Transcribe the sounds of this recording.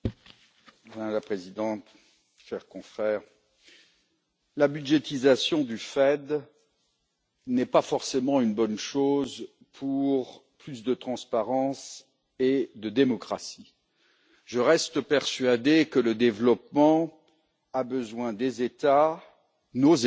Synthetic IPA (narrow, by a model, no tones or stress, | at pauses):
lapχezid̪ɑ̃t̪ | ʃɛʁkɔ̃fχɛːʁ | labyd̪ʒet̪izasjɔ̃d̪yfɛd̪ | nɛpafɔʁsemɑ̃ynbɔnʃoz | pʰuʁplys̬d̪ət̪χɑ̃spaʁɑ̃s | ed̪əd̪emɔkχasi | ʒəʁɛst̪əpɛʁsɥad̪ekələd̪evlɔpmɑ̃ | abəzwɛ̃d̪ezet̪a | noz